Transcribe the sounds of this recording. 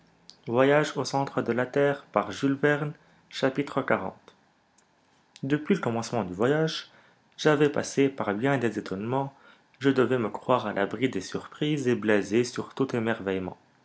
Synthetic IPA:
vwajaʒosɑ̃t̪χəd̪əlat̪ɛːʁpaʁʒylvɛʁn | ʃapit̪χəkaʁɑ̰̃t̪ | d̪əpɥiləkɔmɑ̃smɑ̃d̪yvwajaʒ | ʒavɛpasepaʁbjɛ̃d̪ezet̪ʰɔnmɑ̃ | ʒəd̪əvɛməkχwaʁalʔa̰bʁid̪esyʁpχizeblezesyʁt̪ut̪emɛʁvɛjmɑ̰̃

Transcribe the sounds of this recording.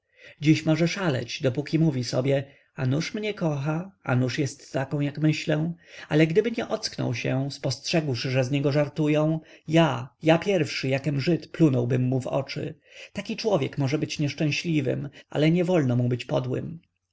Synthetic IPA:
d͡ʑiɕmɔʐɛʂalɛ̰d͡ʑd̪ɔpukʲimuvʲisɔbʲjɛ | anuʂmɲɛkɔxaa̰nuʂjɛst̪ːakɔ̃w̃jakmɘɕlɛw̃alɛɡd̪ɘbɘɲɛʔɔt̪sknɔ̰wɕɛspɔstʂɛɡwʂʐɛzɲɛɡɔʐaɾt̪ujɔ̃w̃jajapʲjɛɾfʂɘjakɛmʐɘt̪plunɔwbɘmːuvɔ̰t͡ʂɘ̰ | t̪akʲit͡ʂwɔvʲjɛkmɔʐɛbɘt͡ɕɲɛʂt͡ʂɛ̃ɕlʲivɘ̰mʔa̰lɛɲɛvɔlnɔmubɘt͡ɕpɔd̪wɘ̰m

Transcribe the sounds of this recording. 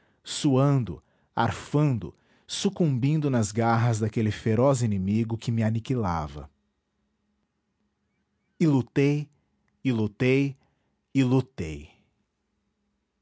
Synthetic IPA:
suɐ̃nd̪ʊ̰ | a̰ɾfɐ̃nd̪ʊ̰ | sukũmbĩnd̪ʊnɐzɡaɦɐzd̪akelɪfeɾɔzinẽmiɡʊkɪmɪanikila̰vɐ̰ | ɪlut̪ej | ɪlut̪ej | ɪlut̪ḛj

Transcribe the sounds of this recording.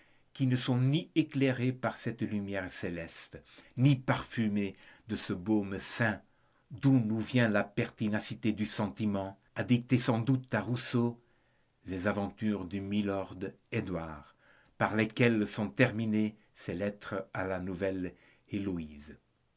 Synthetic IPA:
kinəsɔ̃niekleʁepaʁsɛt̪lymjɛʁselɛst̪nipaʁfymed̪əsəbomsɛ̃ | d̪unuvjɛ̃lapɛʁt̪inasit̪ed̪ysɑ̃t̪imɑ̃ | ad̪ik̚t̪esɑ̃d̪ut̪aʁuso | lezavɑ̃t̪yːʁd̪ymilɔʁd̪ | ed̪waːʁ | paʁlekɛlsɔ̃t̪ɛʁmine | selɛt̪χəalanuvɛl | eloiz

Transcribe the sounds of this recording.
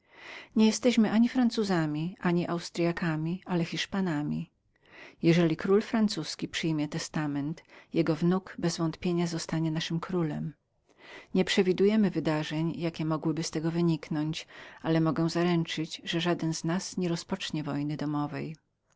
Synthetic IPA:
ɲɛjɛst̪ɛɕmɘʔaɲifɾant̪suzamʲiʔaɲiʔawst̪ɾʲjakamʲialɛxʲiʂpanamʲḭ | jɛʐɛlʲikɾulfɾant̪suskʲipʂɘjmʲjɛt̪ɛst̪amɛnt̪jɛɡɔvnukbɛzvɔnt̪pʲjeɲazɔst̪aɲɛnaʂɘmkɾulɛm | ɲɛpʂɛvʲid̪ujɛmɘvɘd̪aʐɛɲjakʲɛmɔɡwɘbɘst̪ɛɡɔvɘɲiknɔɲt͡ɕalɛmɔɡɛw̃zaɾɛnt͡ʂɘd͡ʑʐɛʐad̪ɛnznasɲɛɾɔspɔt͡ʂɲɛvɔjnɘd̪ɔmɔvɛ̰j

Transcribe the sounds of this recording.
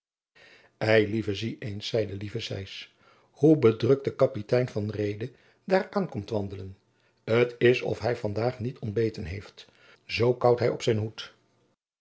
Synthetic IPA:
ɛjlivəziʔejnsːɛjdəlivəsɛ̰js | hubədrɵk̚tdəkɑpitɛjnvɑnrejdə | daːɹaːnkɔmtʋɑndələn | ətɪsɔ̰fɦɛjvɑndaːχnitʰɔnbejtənɦejft | zowkɑwtɦɛjɔpsɛjnɦut

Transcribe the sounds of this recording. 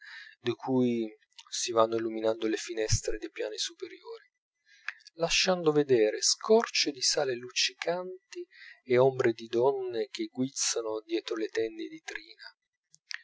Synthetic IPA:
d̪ikʰuj | sivanːoiluminand̪olefinɛst̪ɾed̪ejpja̰ːnisupeɾjoːɾi | laʃːand̪ʊved̪ɛːɾeskʰɔrt͡ʃɪd̪isaːlelut͡ʃːikant̪ieombɾed̪id̪ɔnːek̟eɡːwit̪sːanod̪jɛːt̪ɾolet̪ɛnd̪ed̪it̪ɾiːna

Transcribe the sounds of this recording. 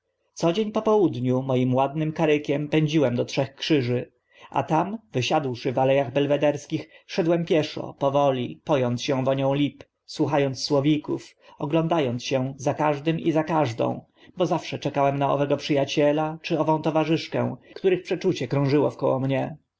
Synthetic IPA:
t̪sɔd͡ʑeɲpɔpɔwud̪ɲumɔjimwad̪nɘmkaɾɘkʲɛmpɛɲd͡ʑiwɛmd̪ɔtʂɛxkʂɘʐɘ | a̰t̪amvɘɕad̪wʂɘvalɛjaɣbɛlvɛd̪ɛɾskʲixfʂɛd̪wɛmpʲjɛʂɔ̰pɔvɔlʲipɔjɔnt̪sɕɛ̃vɔɲɔ̃w̃lʲip | swuxajɔnt̪sswɔvʲikuf | ɔɡlɔnd̪ajɔnt̪sɕɛzakaʐd̪ɘmizakaʐd̪ɔ̰̃w̃ | bɔzafʂɛt͡ʂɛkawɛmnaɔ̰vɛɡɔpʂɘjat͡ɕɛlat͡ʂɘɔvɔ̃w̃t̪ɔvaʐɘʂkɛ̰̃w̃kt̪uɾɘxpʂɛt͡ʂut͡ɕɛkɾɔ̃w̃ʐɘwɔfkɔwɔmɲɛ

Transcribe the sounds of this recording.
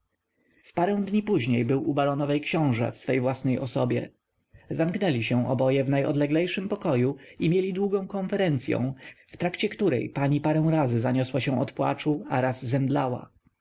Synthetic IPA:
fpaɾɛ̃w̃d̪ɲipuʑɲejbɘwubaɾɔnɔvɛjkɕɔ̃w̃ʐɛ̰fsfɛjvwasnɛjʔɔsɔbʲjɛ̰ | zamknɛlʲiɕɛ̃ʔɔbɔjɛvnajʔɔ̰d̪lɛɡlɛjʂɘmpɔkɔjuimʲjelʲid̪wuɡɔ̃w̃kɔ̃nfɛɾɛnt̪sʲjɔ̰̃w̃ft̪ɾakt͡ɕɛkt̪uɾɛ̰jpaɲipaɾɛ̃w̃ɾazɘzaɲɔswaɕɛ̃ɔt̪pwa̰t͡ʂuaɾazːɛnd̪lawa̰

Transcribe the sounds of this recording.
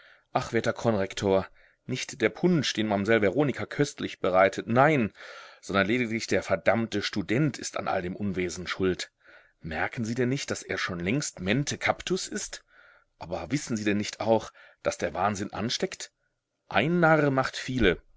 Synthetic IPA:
ʔaχv̥eːɐtɐkʰɔnʁɛktʰoːɐ | nɪçtd̥eːɐpʰʊnt͡ʃd̥eːnmamzɛlvɛʁoːnɪkʰakʰœstlɪçb̥əʁaɪtʰətnaɪnz̥ɔndɐnleːdɪklɪçd̥eːɐfɛɐdamtəʃtudɛntʰɪsta̰nʔa̰ldeːmʔʊnveːzn̩ʃʊlt | mɛɐkn̩ziːdɛnːɪçt̚d̥asʔḛːɐʃoːnlɛŋstmɛntʰəkʰaptʊsʔɪst | ʔaːbɐvɪsn̩ziːdɛnːɪçtʰʔa̰ʊxd̥asd̥eːɐvaːnzɪnʔa̰nʃtɛkt | ʔaɪnːaʁəmaχtfiːlə

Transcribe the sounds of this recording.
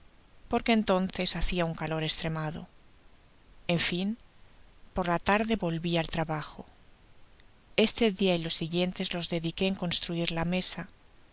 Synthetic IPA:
po̞ɾke̞nt̪o̞nθe̞saθiauŋkalo̞ɾe̞st̪ɾe̞maðo̞̰ | e̞ɱfim | po̞ɾlat̪aɾðe̞βo̞lβialt̪ɾaβaxo | e̞st̪e̞ðiailo̞sːiɣje̞nt̪e̞zlo̞zðe̞ðike̞ːŋko̞nst̪ɾuiɾlame̞sa

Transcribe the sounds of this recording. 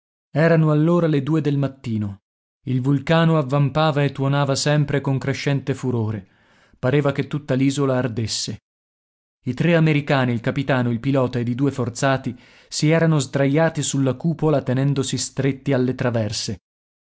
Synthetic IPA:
ɛːɾanoalːoːɾaled̪uːed̪elmat̪ːiːno | ilvulkaːnoavːampaːvaet̪ːwonaːvasɛmpɾekoŋkɾeʃːɛnt̪efuɾoːɾe | paɾeːvaket̪ːut̪ːaliːzolaːrd̪esːe | it̪ɾeameɾikaːniːlkapit̪aːnoilpilɔːt̪aed̪id̪uːefort̪saːt̪i | siɛːɾanozd̪ɾajːaːt̪isulːakuːpolat̪enɛnd̪osist̪ɾet̪ːialːet̪ɾavɛrse

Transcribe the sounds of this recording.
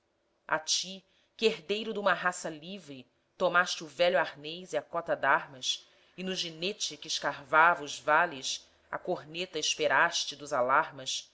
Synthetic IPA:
a̰t͡ʃi | kɪeɦd̪ejɾʊd̪ũmɐɦasɐlivɾɪ | t̪omaʃt͡ʃɪʊvɛʎʊaɾnejziɐkɔt̪ɐd̪aɾmɐs | ɪnʊʒinet͡ʃɪkɪɪʃkaɾvavɐʊzvalɪs | ɐ̰koɾnet̪ɐɪʃpeɾaʃt͡ʃɪd̪ʊzalaɾmɐs

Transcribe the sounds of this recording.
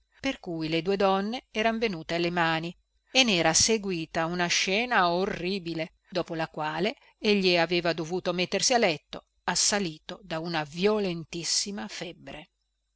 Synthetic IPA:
perkujled̪uːed̪ɔnːeɛːɾanvenuːt̪ealːemaːni | enːɛːɾaseɡwiːt̪aunaʃɛːnaorːibile | d̪ɔːpolakwaːle | eʎːiaveːvad̪ovuːt̪omet̪ːersialɛt̪ːo | asːaliːt̪od̪aunavjolent̪isːimafɛbːɾe

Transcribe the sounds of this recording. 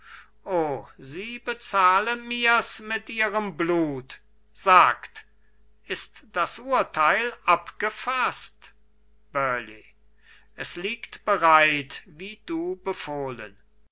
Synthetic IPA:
ʔoːziːbət͡saːlənmiːɐsmɪtʔiːʁəmbluːt | z̥aːkt | ʔɪstd̥asʔuːɐtʰaɪlʔapɡ̥əfast | b̥œɐlḭ | ʔɛsliːktb̥əʁaɪtviːduːbəfoːlə̰n

